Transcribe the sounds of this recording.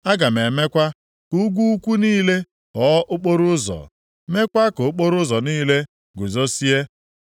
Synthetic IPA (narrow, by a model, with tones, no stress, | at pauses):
a˦ɡa˨me˨me˦kʷa˦ | ku˦ɡʷu˦u˦kʷu˦niː˦le˦ | kɔ˨˦ʔʊ˦k͡po˦ɾʊ˦zɔ̰˨ | me˦kʷa˦kʊ˨ʊ˦k͡po˦ɾʊ˦zɔ˨niː˦le˦ | ɡʊ˨zo˦si˦e˦